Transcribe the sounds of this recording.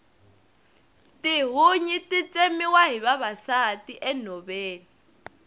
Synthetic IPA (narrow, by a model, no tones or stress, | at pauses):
tʼiɦuɲitʼit͡sʼemiwaɦiβaβasatʼiʔɛn̤ɔβeːni